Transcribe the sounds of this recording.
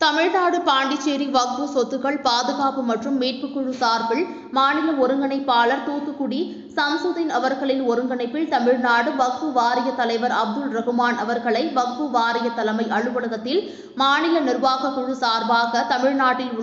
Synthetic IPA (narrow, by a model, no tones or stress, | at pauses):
t̪ɐmɪɻnaːɽɯpaːɳɖɪt͡ʃːeːɾiʋɐk̚pɯsɔt̪ːɯɣɐɭpaːðɯɣaːpɯmɐʈrɯmːeːʈ̚pɯkːʊɻɯsaːɾbɪl | maːnɪlɐɔɾɯŋɡɐɳɐɪpːaːlɐɾt̪uːt̪ːɯkːʊɽi | sɐmsʊðɪnɐʋɐɾɣɐɭɪnɔɾɯŋɡɐɳɐɪpːɪɭt̪ɐmɪɻnaːɽɯʋɐk̚pɯʋaːɾɪjɐt̪ːɐlɐɪʋɐɾɐb̚d̪ɯlɾɐɣɯmaːnɐʋɐɾɣɐɭɐɪʋɐk̚pɯʋaːɾɪjɐt̪ːɐlɐmɐɪʔɐɭɯʋɐɽɯɣɐt̪ːɪl | maːnɪlɐnɪɾʋaːɣɐkːʊɻɯsaːɾbaːɣɐt̪ɐmɪɻnaːʈːɪ